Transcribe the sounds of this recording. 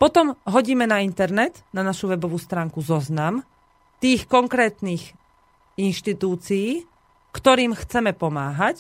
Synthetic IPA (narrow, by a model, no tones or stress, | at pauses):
pɔt̪ɔmɦɔɟiːmɛnaint̪ɛɾnɛt̪nanaʃuʋɛbɔʋuːst̪ɾaːŋkuzɔznam | t̪iːxkɔŋkɾɛːt̪niːx | inʃt̪it̪uːt͡sijiː | kt̪ɔɾiːmxt͡sɛmɛpɔmaːɦac